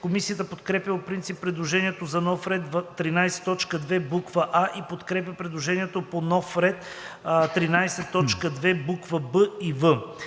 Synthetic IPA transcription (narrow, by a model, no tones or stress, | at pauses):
komisijət̪əpot̪kɾɛpjəpopɾint̪sipːɾɛd̪lˠoʒɛniɛt̪ozɐnɔfɾɛt̪vːɾinajsɛ̥t̪ːɔt͡ʃkəd̪vɛbukvəʔaʔipot̪kɾɛp̬jəpɾɛd̪lˠoʒɛniɛt̪oponɔfɾɛt̪ | t̪ɾinajsɛt̪ːɔt͡ʃkəd̪vɛbukvəbəivə